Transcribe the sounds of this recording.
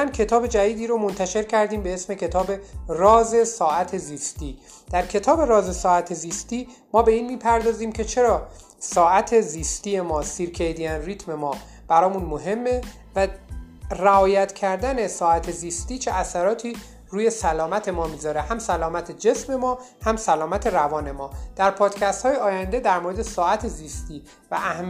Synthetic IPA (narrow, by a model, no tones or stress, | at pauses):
æncʰe̞t̪ʰɒːbe̞d͡ʒæd̪iːd̪iːɾomo̞nt̪ʰæʃe̞ɾcʰæɾd̪iːmbeesme̞cʰe̞t̪ʰɒːbe̞rɒːze̞sɒːʔæt̪ʰe̞ziːst̪iː | d̪̥æɾcʰe̞t̪ʰɒːbe̞ɾɒːze̞sɒːæt̪ʰeziːst̪iː | mɒːbe̞iːnmiːpʰæɾd̪ɒːziːmcʰe̞t͡ʃʰe̞ɾɒː | sɒːʔæt̪ʰe̞ziːst̪iːje̞mɒːsiɾkʰejd̪ijænrit̪ʰme̞mɒː | b̥æɾɒːmunmoɦe̞mːe̞ | væ | ræɒːjæt̪ʰcʰæɾd̪æne̞sɒːæt̪ʰe̞ziːst̪iːt͡ʃʰe̞ʔæsæɾɒːt̪ʰiː | ɾuːje̞sælɒːmæt̪ʰe̞mɒːmizɒːɾe̞hæmsælɒːmæt̪ʰe̞d͡ʒe̞sme̞mɒː | hæmsælɒːmæt̪ʰe̞ɾævɒːne̞mɒːd̪̥æɾpʰɒːd̪̥cʲʰæst̪hɒːjeɒːjænd̪e̞d̪æɾmoɾe̞d̪e̞sɒːæt̪ʰe̞ziːst̪iː | væ̰ʔæhm